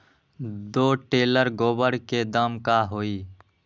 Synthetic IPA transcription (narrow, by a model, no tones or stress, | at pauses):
d̪oʈeləɾɡobəɽked̪əmkaɦoːi